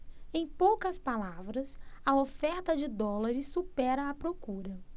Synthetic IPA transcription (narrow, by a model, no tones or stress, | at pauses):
ẽj̃powkɐspalavɾɐsɐofɛɾt̪ɐd͡ʒɪd̪ɔlaɾɪsːupɛɾɐːpɾokuɾɐ